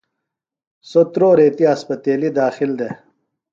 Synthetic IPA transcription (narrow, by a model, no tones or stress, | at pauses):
sot̪ɾoːɾeːt̪iɐspɐt̪eːlid̪aːxild̪e